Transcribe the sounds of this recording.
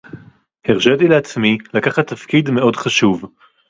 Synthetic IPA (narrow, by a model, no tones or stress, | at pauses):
heʁʃedileat͡smilakaχat̪ːafkidme̞o̞dχaʃuv